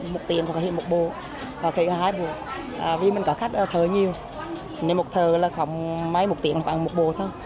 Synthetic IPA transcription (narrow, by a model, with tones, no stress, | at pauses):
mo˨˩t̚t̪i˨˧˩əŋkɔ˨˩˨hḭ˧˨ə˨mo˨˩t̚ɓo˧˨ | ha˨˩kxi˨˧˦haː˨˩haː˧jɓu˨˩ək̚ | ʔaː˨˩vi˨˩mï˨˩ŋkɔ˨˦xa˦˥k̟̚ʔːt̪ʰəː˨˩ɲi˨˩əw | ne˨˦mːo˨˩t̚t̪ʰəː˨˩laː˨˩xɔ˨˩˦wŋ͡mma˧jmo˨˩t̚t̪ḭ˨˧˩ən˨˧˩ɓaː˧˨˩mo˨˩t̚ɓo̰˧˨t̪ʰo˧j